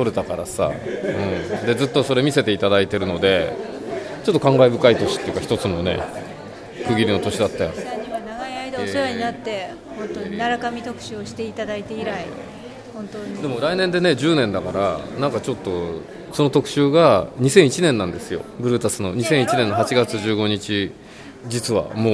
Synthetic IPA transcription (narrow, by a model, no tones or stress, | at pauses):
t̪o̞ɾet̪akaɾa̰sa̰ɯ̟̃ɴd̪e̞zɨt̪ːo̞so̞ɾe̞mʲise̞t̪eit̪ad̪ait̪e̞ɾɯ̟no̞d̪e̞ | t͡ɕo̞t̪ːo̞kãŋɡaibɯ̟kait̪o̞ɕi̥t̪ːeiɯ̟kaçi̥t̪ot͡sɨno̞ne̞̰ | kɯ̟ɡʲiɾʲino̞t̪o̞ɕid̪at̪ːajã̰ɲimanaɡaiaid̪aesoɾaɲinat̪ːe̞ | hõ̞nt̪oɲinaɾakamʲit̪o̞kɯ̟̥ɕɨːoɕi̥t̪e̞it̪ad̪ait̪e̞iɾai | hõnt̪od̪e̞mo̞ɾainẽ̞nd̪e̞ne̞d͡ʑɨːnẽ̞nd̪akaɾa̰nãŋkat͡ɕo̞t̪ːo̞ | so̞no̞t̪o̞kɯ̟̥ɕɨːɡaɲ̟isẽ̞ɰ̃it͡ɕinẽ̞nːãnd̪e̞sɨjo̞̰bɯ̟ɾɯ̟t̪asɨno̞ɲ̟isẽ̞ɰ̃it͡ɕinẽ̞nːo̞ɦat͡ɕiɡat͡sɨʑɨːɡo̞ɲ̟it͡ɕi | d͡ʑit͡sɨβa̰moː